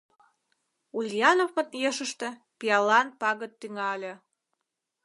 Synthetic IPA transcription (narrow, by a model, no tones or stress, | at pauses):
ulʲjɑnovmə̆t̪jeʃə̆ʃt̪ĕ | piɑlɑnpɑɣət̪ːyŋɑlʲĕ